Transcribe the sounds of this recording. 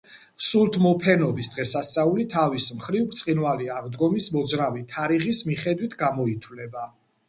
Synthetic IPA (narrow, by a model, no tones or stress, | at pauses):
sulˠt̪ʰmɔpʰɛnɔbisd̪̥ʁɛsast̪sʼaulit̪ʰavismχɾivkʰt̪sʼinvaliaʁd̪ɡɔmismɔd̪zɾavit̪ʰaɾiʁismiχɛd̪wit̪ʰɡamɔit̪ʰwlɛba